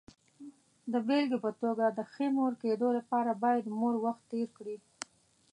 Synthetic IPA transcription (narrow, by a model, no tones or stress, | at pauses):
d̪əbelɡepət̪oɡad̪əxemoɾked̪olapɑɾabɑjad̪moɾwaxt̪ːeɾkɽi